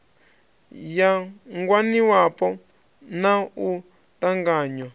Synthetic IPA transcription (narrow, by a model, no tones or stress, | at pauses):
jaŋɡwaniwapɔ | nau | t̪aŋɡaːɲwa